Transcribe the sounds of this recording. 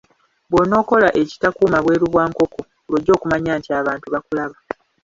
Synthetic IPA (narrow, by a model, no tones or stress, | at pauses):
bwono̞ːko̞laʔe̞ci̥takuːmaβwe̞ːɾuβwaːŋko̞ko̞ | lwoɟːo̞ːkumaɲaːntiaːβaːntuβakulaβa